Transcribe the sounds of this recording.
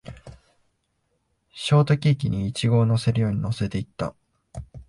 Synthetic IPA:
ɕo̞ːt̪o̞kʲiːkʲiɲ̟iːt͡ɕiɡo̞ːno̞se̞ɾɯ̟jo̞ːɲ̟ino̞se̞t̪e̞it̪ːa̰

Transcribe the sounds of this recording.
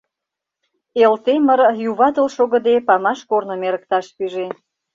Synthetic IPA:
elt̪eməɾjuβɑt̪ə̆lʃoɣə̆d̪epɑmɑʃkornə̆meɾə̆k̚t̪ɑʃpyʒe

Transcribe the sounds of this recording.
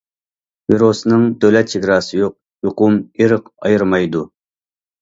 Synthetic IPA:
viɾosnɨŋd̪øwlɛt̪̚t͡ʃʰiɡɾɑːsɨjoq̚ | joqʊmeɾɨqɑjɨɾmɑjd̪u

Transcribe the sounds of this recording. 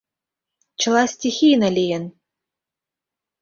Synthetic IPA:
t͡ɕɤ̆lˠasʲtʲixʲijnalʲijən

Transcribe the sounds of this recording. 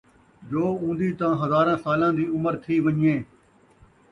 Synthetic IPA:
d͡ʒoːũːnd̪iːt̪ãːɦəzaːɾãːsaːlãːd̪iːʊməɾt̪ʰiːʋəɲẽː

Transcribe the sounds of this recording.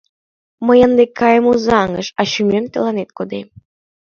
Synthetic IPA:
məjənd̪ekʰːɑjəmuzɑŋə̰ʃɑɕymemt̪ĕlɑnet̪̚kod̪em

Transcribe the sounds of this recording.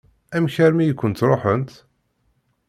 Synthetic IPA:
æmçæɾmijəkʷːənt̪ɾˤoħənt̪

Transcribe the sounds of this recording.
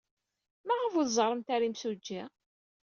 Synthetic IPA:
mæʁəvuðzˤəɾˤəmt̪aɾimsud͡ʒːi

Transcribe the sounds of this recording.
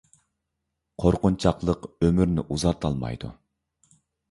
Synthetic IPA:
qʰoɾqʊnt͡ʃʰɑqlˠəqømyɾnɪʔuzɑt̪ʰɑlˠmɑ̰jd̪ṵ

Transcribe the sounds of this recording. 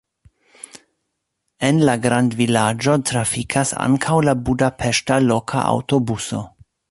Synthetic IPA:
enlaɡɾandvilad͡ʒo̞tɾafikʰasa̰ŋkʰawlabudapʰeʃtalokʰa̰ʔa̰wto̞buso̞̰

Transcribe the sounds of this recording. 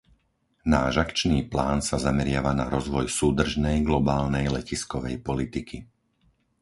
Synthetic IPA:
naːʒakt͡ʃniːplaːnsazamɛɾɪaʋanaɾɔzʋɔjsuːd̪r̩ʒnɛjɡlɔbaːlnɛjlɛciskɔʋɛ̰jpɔlit̪ikʰi

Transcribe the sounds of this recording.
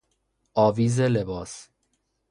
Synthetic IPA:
ʔɒːviːzelebɒːs

